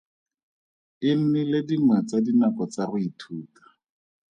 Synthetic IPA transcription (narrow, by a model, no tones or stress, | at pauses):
ɪn̩nɪlediŋwat͡sadinakɔt͡sarʊitʰuːtḁ